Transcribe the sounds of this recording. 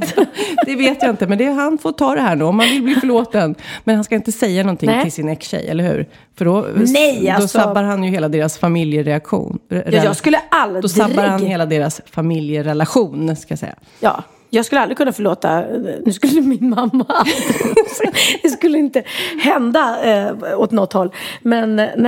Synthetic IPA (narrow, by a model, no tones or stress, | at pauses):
d̪ɛveːt̪jaɪnt̪əmɛnd̪ɛɦanfoːt̪ʰɑːd̪ɛɦæːɳʉːɔmhanvɪlbliːfœɭoːt̪ənmɛnhanskaɪnt̪əsɛjːanɔnt̪ʰɪŋːt̪ʰɪlsɪnɛkɕɛ̰jʔɛ̰lːəɾhʉ̟̰ːɾ | fœɖɔnɛjaɔsabːaɾɦanjɵheːlad̪eːɾasfamɪljəɾɛakɧṵːnɾɛjɑskɵlːəalːd̪ɔdsabːaɾhanheːlad̪eːɾasfamɪljəɾɛlaɧuːnskajasɛ̰jːa̰ | jɑ̰ː | jɑːɡskɵləald̪ɾɪkʰɵnːafœɭoːt̪a̰nʉskɵlːəmɪnmamːa | d̪̥ɛskɵlːəɪnt̪əhɛnd̪a | ɔt̪nɔt̪hɔlːmɛn